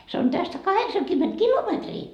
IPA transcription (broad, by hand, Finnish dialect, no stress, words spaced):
se on tæstæ kɑheksɑŋkymːent kilometriː